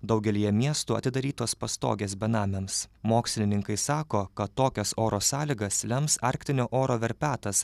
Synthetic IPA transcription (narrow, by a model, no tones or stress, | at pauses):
d̪ɒʊɡʲɛlʲijɛmʲiɛst̪uːɐ̰t̪ʲɪd̪ɐɾʲiːt̪oːspɐst̪o̰ːɡʲeːs̬bʲɛnɑːmʲɛmsmoːksʲlʲɪnʲɪŋkɐɪsɑːkoːkɐt̪ːoːkʲɛsoːɾoːsɑːlʲiːɡɐslʲɛmsɑɾʲkt̪ʲɪnʲoːʔoːɾoːʋʲɛɾʲpʲæːt̪ɐs